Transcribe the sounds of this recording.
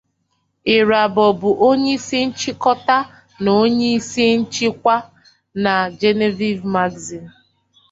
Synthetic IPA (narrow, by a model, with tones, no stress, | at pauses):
ɪ˨ɾa˨bɔ˨bʊ˨ʔo˦ɲe˦i˦si˦n̩˦t͡ʃi˦kɔ˦ta˦ | no˦ɲe˦i˦si˦n̩˦t͡ʃi˦kʷa˦ | na˨d͡ʒe˦ne˦vi˦vma˦ɡzi˨n̩˨